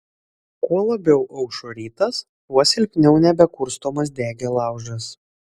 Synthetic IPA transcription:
kuɔlˠɐbʲɛʊʔɐʊʃoːɾʲiːt̪ɐs | usʲɪlʲpʲnʲɛʊnʲɛbʲɛkʊɾst̪oːmɐs̬d̪ʲæːɡʲelˠɑˑʊʒɐs

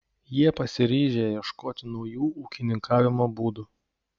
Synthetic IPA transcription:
jiɛpɐsʲɪɾʲiːʒʲejiɛʃkoːt̪ʲɪnɔʊjuːuːkʲɪnʲɪŋkɑːʋʲɪmoːbuːd̪ʊ

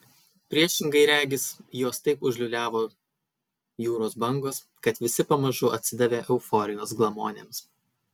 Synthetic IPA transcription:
pʲɾʲiɛʃʲɪŋɡɐɪɾʲæːɡʲɪsjoːst̪ɐɪpʊʒʲlʲʊlʲæːʋoː | juːɾoːsbɐŋɡoːs | kɐt̪ʋʲɪsʲɪpɐmɐʒʊʔɐ̰t̪ʲsʲɪd̪ɐʋʲeːʔɛʊfɔːɾʲɪnʲoːsɡlˠɐmoːnʲḛːms

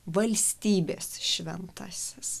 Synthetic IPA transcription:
ʋɐlʲsʲt̪ʲiːbʲeːsʃʲʋʲɛnt̪ɑːsʲɛs

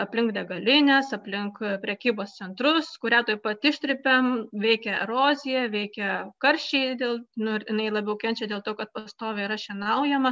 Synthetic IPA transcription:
ɐpʲlʲɪŋkd̪ʲɛɡɐlʲɪnʲɛsɐpʲlʲɪŋkpʲɾʲɛkʲiːboːst̪sʲɛnt̪ɾʊskʊɾʲæːt̪oːpɐt̪ɪʃʲt̪ʲɾʲɪpʲɛmʋʲɛɪkʲɛɾoːzʲɪjɛʋʲɛɪkʲɛkɐɾʲʃʲt͡ʃʲɛɪd̪ʲeːlˠnʊɪjɪnɐɪlˠɑːbʲɛʊkʲɛnʲt͡ʃʲɛd̪ʲeːlˠt̪oːkɐt̪pɐst̪oːʋʲeɪɾɐʃʲɛnɐʊjɛmɐ

